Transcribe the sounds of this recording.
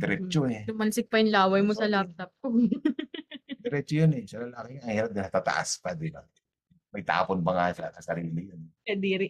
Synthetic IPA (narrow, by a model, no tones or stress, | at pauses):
d̪ɛɾɛt͡ʃoɛsʊmɐnsɪk̚pɐjɪnlaːwɐjmosɐlap̚t̪ɐp̚ko | d̪ɛɾɛt͡ʃojonɛsɐlɐlaːkɛŋaɐŋhiːɾɐp̚d̪ɪnɐt̪aːt̪ɐ̰ʔa̰spɐd̪ɪnɐ | mɐɡ̚t̪a̰ːponbɐŋassɐsɐɾiːlɪjonkɐd̪iːɾɪ